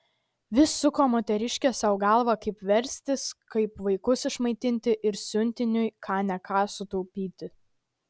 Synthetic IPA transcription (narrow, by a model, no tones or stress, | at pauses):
ʋʲɪsːʊkoːmoːt̪ʲɛɾʲɪʃʲkʲɛsɐʊɡɑˑlˠʋɐkɐɪpʋʲɛɾʲsʲt̪ʲɪskɐɪpʋɐɪkʊsɪʃmɐɪt̪ʲɪnʲt̪ʲɪʔɪɾsʲʊnʲt̪ʲɪnʲʊjkʰɑːnʲɛkʰɑːsʊt̪ɔʊpʲiːt̪ʲɪ